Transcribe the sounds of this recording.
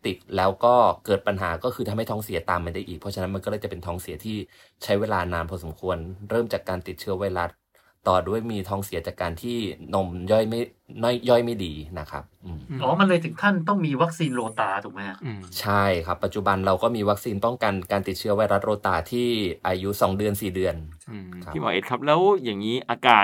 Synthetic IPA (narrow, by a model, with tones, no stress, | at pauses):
t̪i˨˩t̪̚lɛː˦˥wkɔː˥˩kɤː˨˩t̪̚pa˧nɦa̰ː˩˦kɔː˥˩kʰɯː˧t̪ʰa˧mha˥˩jt̪ʰːŋsi˩˦t̪aː˨˩mːa˧ndaː˥˩jʔiː˨˩pʰɔ˦˥t͡ɕʰa˧na˦˥nma˧nkɔː˥˩ɤː˧˩jt͡ɕa˨˩pe˧nt̪ʰɔː˦˥ŋsi˨˩˦ɐt̪ʰiː˥˩ | t͡ɕʰa˦˥jweː˧laː˧naː˧npʰɔ˧so˩˦mkʰu˧ənɾɤː˥˩mt͡ɕaː˨˩kːaː˧nt̪i˨˩t̪̚t͡ɕʰɯ˦˥ɐwa˧jɾa˦˥t̪̚ː | ɔː˨˩du˥˩əjmiː˧t̪ʰɔː˦˥ŋsi˨˩˦ɐt͡ɕaː˨˩kːaː˧nt̪ʰiː˥˩no˧mjɔ˥˩jma˥˩j | nɔ˥˩jjɔ˥˩jma˥˩jdiː˧na˦˥kʰa̰˦˥p̚ʔɯː˧mʔɔː˨˦ma˧nlɤː˧jt̪ʰɯ˨˩˦ŋt̪ʰa˥˩nt̪ɔ˥˩ŋmiː˧wa˦˥k̚siː˧nɾoː˧t̪aː˧t̪ʰu˨˩kmɛ˦˥˨t͡ɕʰa˥˩jkʰa˦˥pːa˨˩t͡ɕu˨˩ba˧nɾa˧wkɔː˥˩miː˧wa˦˥k̚siː˧np̪ɔ˥˩ŋka˧nkaː˧nt̪i˨˩t̪̚t͡ɕʰɯ˦˥ɐwa˧jɾa˦˥t̪̚ɾoː˧t̪aː˧t̪ʰiː˥˩ʔaː˧ju˦˥sɔː˩˦ŋdɯ˧ənsiː˨˩dɯ˧ənʰa˦˥˩mɔː˨˦ʔḛ˨˧˩kʰa˦˥p̚lɛː˦˥wjaː˨˩ŋiː˦˥ʔaː˧kaː˨˩